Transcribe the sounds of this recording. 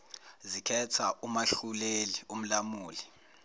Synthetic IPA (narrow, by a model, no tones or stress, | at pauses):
zikʰɛtʰaʔumaɬulelium̩lamuːli